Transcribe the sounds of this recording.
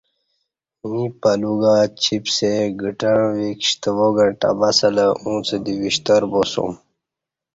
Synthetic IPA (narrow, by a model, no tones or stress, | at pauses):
ĩpɐluɡat͡ɕʰipseɡəʈəɳʋikɕt̪əʋoɡə̃ɳʈa̰basɐləũːt͡sed̪iʋiɕt̪əɾboso̰m